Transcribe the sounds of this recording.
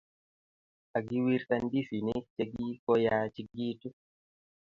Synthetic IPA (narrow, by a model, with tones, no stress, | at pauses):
a˨ɡi˦wi˦ɾt̪andi˦si˨nɛt͡ʃe˦ɡi˦kɔja˦t͡ʃi˦ɡi˦tu˦